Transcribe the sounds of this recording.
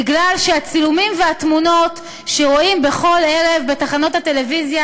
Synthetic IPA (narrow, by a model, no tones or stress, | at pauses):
iɡlalʃeat͡silumimveat̪muno̞t | ʃeʁo̞imbe̞χo̞le̞ʁe̞vbe̞taχano̞tate̞le̞vizja